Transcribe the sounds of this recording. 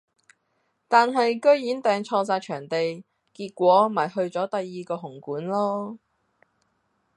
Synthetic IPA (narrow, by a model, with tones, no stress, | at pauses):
t̪aː˨nɦɐ˨jkɵ˥ɥjiː˨˥nt̪ɛː˨˧ŋt͡ʃʰɔː˧saː˧jt͡ʃʰœː˨˩ŋt̪e˨j | kiː˧t̚kʷɔː˨˥maː˨˩jhɵ˧ɥt͡sɔː˨˥t̪ɐ˨jːiː˨kɔː˧ɦʊ˨˩ŋkuː˨˥nlɔː˥